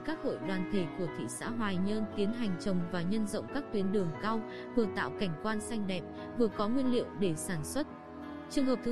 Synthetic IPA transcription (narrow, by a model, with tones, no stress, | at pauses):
kaː˦˥k̚ho̰˧˨jɗwaː˨˩nt̪ʰe˧˩ku˧˩ət̪ʰḭ˧˨sa̰ː˧˥ɦwaː˨˩jɲə˧nt̪i˨˦ənɦa˨˩jŋ̟t͡ɕə˨˩wŋ͡mvaː˨˩ɲə˧nzə̰˧˨wŋ͡mkaː˦˥k̚t̪wi˨˦ənɗɨ˨˩əŋkaː˧w | vɨ˨˩ət̪a̰ː˧˨wka˧˩jŋ̟kwaː˧nsa˧jŋ̟ɗɛ̰˨˩p̚ | vɨ˨˩əkɔ˨˦ŋwi˧ənlḭ˧˨əwɗe˧˩saː˧˩nswə˦˥t̚ | t͡ɕɨ˨˩əŋɦəː˨˩p̪̚ʰɨ˨˦